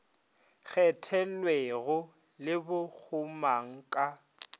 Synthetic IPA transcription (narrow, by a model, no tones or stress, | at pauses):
k͡xʰɛtʰɛlweɣʊ | lɪbʊk͡xʰʊmaŋ̩kʼa